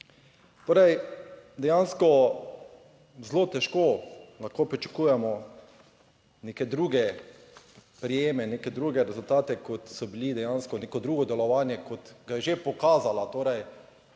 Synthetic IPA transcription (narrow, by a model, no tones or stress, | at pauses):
t̪oːɾɛjd̪ɛjanskɔ | zloːt̪ɛʃkoːlaxkoːpɾit͡ʃḁkujɛmɔ | neːkɛd̪ɾuːɡɛ | pɾijeːmɛnekɛd̪ɾuːɡɛɾɛzʊlt̪aːt̪ɛkɔt̪sɔbilid̪ɛjanskɔnekɔd̪ɾuːɡɔd̪ɛlɔʋaːnjɛkɔt̪ɡajɛʒepɔkaːzalat̪oːɾɛj